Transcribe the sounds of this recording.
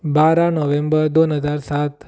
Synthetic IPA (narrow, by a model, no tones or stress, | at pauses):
baɾanɔʋẽmbəɾd̪onɦəd͡ʒaɾsat̪